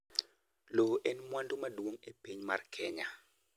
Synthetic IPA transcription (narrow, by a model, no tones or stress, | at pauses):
loʔɛnmwandʊmadwoŋepiɲma̰rkʰɛɲa